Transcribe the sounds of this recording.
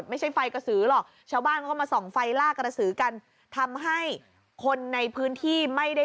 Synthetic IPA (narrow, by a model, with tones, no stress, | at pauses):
t̪̚ma˥˩jt͡ɕʰa˥˩jfa˧jka˧˩sɯː˩˦lɔ˨˩k̚t͡ɕʰaː˥˩wbaː˥˩nkʰːmaː˧sɔː˩˦ŋfa˧jlaː˥˩k̚ɾa˧sɯː˩˦ka˧n | t̪ʰa˧mɦa˥˩j | kʰo˧nːa˧jpʰɯː˦˥nt̪ʰiː˥˩ma˥˩jda˥˩